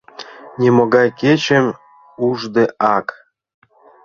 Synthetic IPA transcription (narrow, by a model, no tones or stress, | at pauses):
nʲemoɡɑjket͡ɕem | uʐd̪ĕʔɑk